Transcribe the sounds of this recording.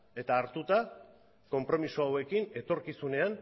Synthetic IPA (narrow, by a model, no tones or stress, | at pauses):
e̞t̪aːɾt̪ut̪a | ko̞mpɾo̞misoawe̞kine̞t̪o̞ɾkisune̞an